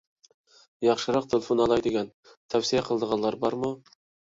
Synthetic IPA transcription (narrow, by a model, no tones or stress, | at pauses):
jɑqʃəɾɑq̚t̪ʰelʲefonɑlˠɑjd̪eɡʲæn | t̪ʰæwsijæqʰəlˠd̪əʁɑnllːˠɑɾbɑɾmʊ